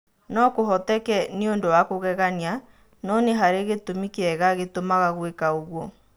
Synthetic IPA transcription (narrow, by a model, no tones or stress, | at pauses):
nɔkoɦɔtɛkɛneondowakoɣɛɣania | nɔneɦaɾeɣetomikeɛɣaɣetomaɣaɣwekaoɣwɔ